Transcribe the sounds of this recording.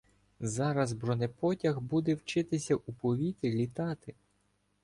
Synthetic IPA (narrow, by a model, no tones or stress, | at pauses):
zɑɾɐzbɾɔnɛpɔtʲɐɣbud̪ɛwt͡ʃɪt̪ɪsʲɐʔupɔʋʲit̪ɾʲɪlʲit̪ɑt̪ɪ